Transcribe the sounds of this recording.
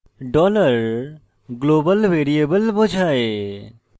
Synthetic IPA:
ɖɔləɾ | ɡlobəlʋeɾijebəlbɔd͡ʒʱae

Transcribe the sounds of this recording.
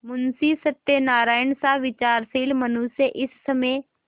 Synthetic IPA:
mʊnsiːsɐt̪ːenaːɾaːɪnsãʋɪt͡ʃaːɾsiːlmɐnuːseʔɪsːɐmeː

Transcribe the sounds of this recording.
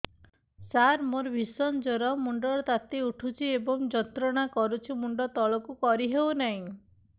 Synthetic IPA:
saɾmoɾbʱisɔnd͡ʒɔɾɔmuɳɖɔɭt̪at̪euʈʰut͡ʃʰiebɔŋd͡ʒɔt̪ɾɔɽ̃akɔɾut͡ʃʰimuɳɖɔt̪ɔɭɔkukɔɾiɦewnaɦĩ

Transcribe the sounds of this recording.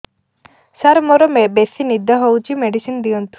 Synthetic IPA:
saɾmɔɾɔmebesinid̪ʱːaɦowt͡ʃimeɖisind̪ijont̪u̥

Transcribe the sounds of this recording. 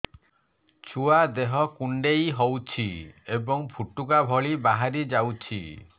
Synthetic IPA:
t͡ʃʰuad̪eɦɔkuɳɖejɦowt͡ʃʰiebɔŋpʰuʈukabʱɔɭibaɦaɾid͡ʒawt͡ʃʰḭ

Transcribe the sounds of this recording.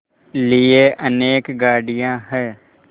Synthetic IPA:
lieʔəneːkɡaːɽijãɦɛː

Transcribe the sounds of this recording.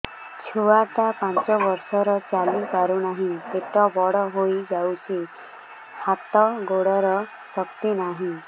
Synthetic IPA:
t͡ʃʰuaʈ̪apãnt͡ʃɔbɔɾsɔɾɔt͡ʃalipaɾunaɦĩt̪eʈɔbɔɽɔɦojd͡ʒawt͡ʃʰi | hat̪ɔɡoɽɔɾɔ | sɔkt̪inaɦĩ

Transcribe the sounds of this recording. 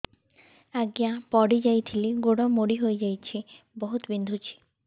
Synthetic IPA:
aɡijapɔɽid͡ʑajt̪ʰiliɡoɽɔmoɽiɦoed͡ʑajt͡ɕʰi | bɔɦut̪bind̪ʱut͡ɕʰi̥

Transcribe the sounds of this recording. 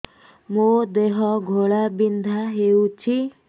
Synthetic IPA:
mud̪eɦɔɡʱoɭabind̪ʱaɦeut͡ʃʰi

